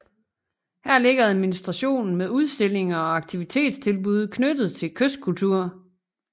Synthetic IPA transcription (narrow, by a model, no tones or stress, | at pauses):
hæɐle̝ɡ̥ɐæðˠminisd̥ʁɑ̈ɕo̝̰ːnn̩meðˠuð̞ˠsd̥e̝l̰e̝ŋɐɒ̽ɑ̈ɡ̥̚t͡sʰiʋit͡sʰe̝̰ːd̥st͡sʰe̝lb̥uð̞ˠkʰnød̥ð̞̩ˠt͡sʰe̝lkʰøsd̥̚kʰult͡sʰuɐ̰